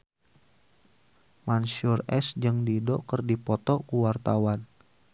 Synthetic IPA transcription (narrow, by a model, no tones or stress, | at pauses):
mansurɛ̰sd͡ʒəŋdidɔkərdipɔt̪ɔkuwart̪awan